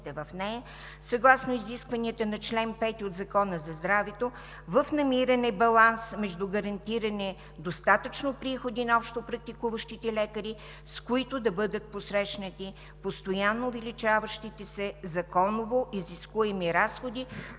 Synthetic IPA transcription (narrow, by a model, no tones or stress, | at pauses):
t̪ɛvɐfnɛjɐ | sɐɡlˠasnoiziskvɐniət̪ənɐt͡ʃlɛnpɛt̪iod̪zɐkɔnəzɐzd̪ɾavɛt̪o | vəfnɐmiɾɐnɛbɐlˠansmɛʒd̪uɡɐɾɐnt̪iɾɐnɛ | d̪ost̪at̪ət͡ʃnopɾixod̪inɐɔpʃt̪opɾɐk̚t̪ikuvəʃt̪it̪ɛlɛkəɾi | skoit̪ʊd̪ɐbɤd̪ət̪̚posɾɛʃnət̪i | post̪ojanːovilit͡ʃavəʃt̪it̪ɛsɛzɐkɔnovoʔiziskuɛmiɾasxod̪i